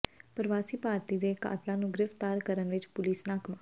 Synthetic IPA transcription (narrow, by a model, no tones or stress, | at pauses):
pəɾʋaːsiːpaːɾt̪iːd̪eːka̰ːt̪lãːnũːɡɾɪft̪aːɾkəɾənʋɪt͡ʃpʊliːsnaːkmãː